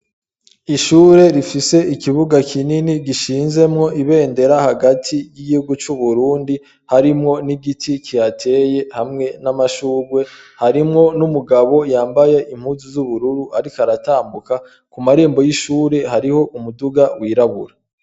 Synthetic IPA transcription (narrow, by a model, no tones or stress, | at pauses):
iʃuːɾe̞ɾifise̞ʔikiβuɡakʰininiɡiʃiːnze̞mŋo̞ʔiβe̞ːnde̞ɾahaɡatʰijiɡihuɡut͡ʃuβuɾuːndi | haɾimŋo̞niɡitʰikʰijatʰe̞je̞hamŋe̞namaʃuːɡwe̞haɾimŋo̞numuɡaβo̞jaːmbaje̞ʔim̥huːzizuβuɾuɾuʔaɾikaɾataːmbuka | kumaɾeːmbo̞jiʃuːɾe̞haɾiho̞ʔumuduɡawiːɾaβuɾa